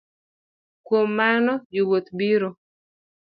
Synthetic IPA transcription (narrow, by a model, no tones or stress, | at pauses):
kwomːanɔjiwot̪biɾo